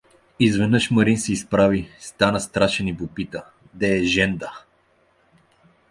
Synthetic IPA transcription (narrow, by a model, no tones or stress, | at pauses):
izvɛnɤʃmɐɾinsɛispɾavist̪anəst̪ɾaʃɛnipopit̪ə | d̪ɛːʒɛnd̪ə